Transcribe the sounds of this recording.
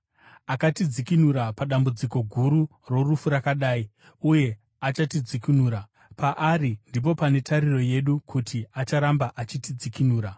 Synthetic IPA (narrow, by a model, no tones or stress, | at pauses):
akatid͡zikinuɾapaɗambud͡ziko̞ɡʱuɾu | ro̞rufuɾakaɗaːi | uje̞ | at͡ʃatid͡zikinuːɾa | paʔaɾindip̬o̞pane̞taɾiro̞je̞ɗukʰutʰiat͡ʃaɾambaʔat͡ʃitid͡zikinuːɾa